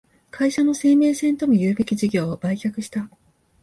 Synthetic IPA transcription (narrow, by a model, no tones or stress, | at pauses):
kʰaiɕano̞se̞ːme̞ːsẽ̞nt̪o̞mojɯ̟ːbe̞kʲiʑiɡʲo̞ːbaikʲakɯ̟ɕi̥t̪a